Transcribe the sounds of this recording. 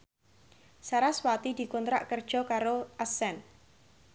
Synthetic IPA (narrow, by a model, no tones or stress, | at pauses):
saɾaswat̪id̪̥i̤kunt̪ɾa̰ʔkərd̥ʒ̥ɔ̤kaɾoʔasɛn